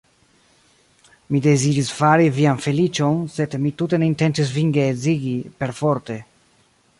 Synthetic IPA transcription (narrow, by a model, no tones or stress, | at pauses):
mid̪eziɾisfaɾivianfelit͡ʃonsed̪mit̪ut̪eneint̪ent̪is̬viŋɡeːziɡipeɾfoɾt̪e